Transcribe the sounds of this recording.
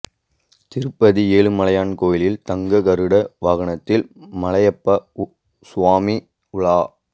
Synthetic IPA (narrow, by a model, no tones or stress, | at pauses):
t̪ɪɾɯpːɐðieːɭɯmɐlɐjaːnkoːjɪlɪlt̪ɐŋɡɐkɐɾɯɽɐʋɐɣɐɳɐt̪ːɪlmɐlɐjɐpːɐ | sʊʋaːmi | ʊɭaː